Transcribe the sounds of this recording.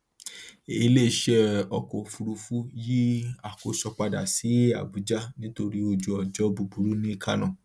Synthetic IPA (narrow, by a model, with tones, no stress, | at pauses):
e˦˧le˦˨ʃɛ˦ɔ˧kɔ˨fu˧ɾu˧fu˦ji˦a˨ko˨sɔ˧k͡pa˧da̰˨si˨˦a̰˨bu˨˦d͡ʒa˦nĩ˦to˧ɾi˦o˧d͡ʒu˧ɔ˨d͡ʒɔ˦bu˧bu˨˦ɾu˦nĩ˦kʰa̰˦nã˨